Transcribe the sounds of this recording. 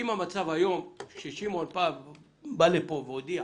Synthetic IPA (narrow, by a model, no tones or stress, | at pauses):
imamat͡savajo̞mʃeʃimolpa | balepoveod̪ia